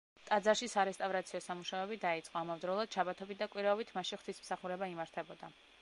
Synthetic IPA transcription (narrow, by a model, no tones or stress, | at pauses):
t̪ʼad̪zaɾʃisaɾɛst̪ʼavɾat̪sʰiɔsamuʃavɛbid̪ait̪sʼqʼɔamavd̪ɾɔlˠad̪̥̚t͡ʃʰabat̪ʰɔbit̪̚d̪akʼwiɾaɔbit̪ʰmaʃiχt̪ʰismsaχuɾɛbaimaɾt̪ʰɛbɔd̪a